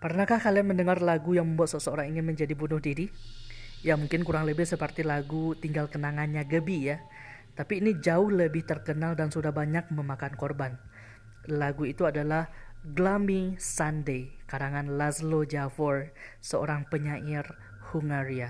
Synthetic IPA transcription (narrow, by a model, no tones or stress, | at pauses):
pərnakahkalianməndəŋarlaɡujaŋməmbuat̪̚səsəoɾaŋiŋɪnməɲd͡ʒadibunʊhdiɾi | jamuŋkɪnkuɾaŋləbɪhsəpərt̪ilaɡut̪iŋɡalkənaŋanɲaɡəbija | t̪apiːnid͡ʒaʊhləbɪht̪ərkənaldansudahbaɲak̚məmakankɔrban | laɡuit̪uadalahɡlamisandejkadaŋanlazlod͡ʒafərsəo̰ɾaŋpəɲaʔɪr | huŋaɾia